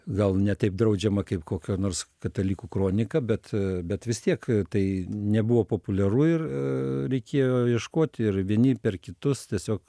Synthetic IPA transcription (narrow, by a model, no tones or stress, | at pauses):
ɡɐlˠnʲɛt̪ɐɪp̚d̪ɾɐʊd͡ʒʲɛmɐkɐɪpkoːkʲoːnoːrskɐt̪ɐlʲiːkuːkroːnʲɪkɐbʲɛt̪bʲɛt̪ʋʲɪst̪ʲiɛkt̪ɐɪnʲɛbuʋoːpoːpʊlʲɛruːɪrɾʲɛɪkʲeːjoːjiɛʃkoːt̪ʲɪrʋʲiɛnʲɪpʲɛrkʲɪt̪ʊst̪ʲiɛsʲoːk